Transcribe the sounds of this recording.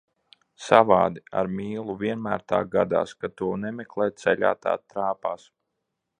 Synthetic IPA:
savaːd̪ia̰ɾmʲiːlˠuvʲiɛnmæːɾt̪aːɡad̪a̰ːskat̪uɔnɛmɛklˠɛj̚t̪sɛlʲa̰ːt̪a̰ːt̪ɾaːpaːs

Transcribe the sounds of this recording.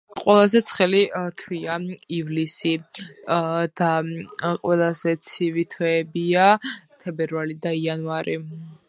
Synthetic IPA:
qʼwɛlˠazɛt̪sʰχɛlit̪ʰwiaivlisi | d̪̥aqʼwɛlˠazɛt̪sʰivit̪ʰwɛːbiat̪ʰɛbɛɾvalid̪aianvaɾi

